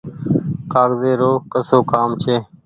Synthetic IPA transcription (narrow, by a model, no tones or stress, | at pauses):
kaːɡzeːɾoːkəsoːkaːmt͡ʃʰeː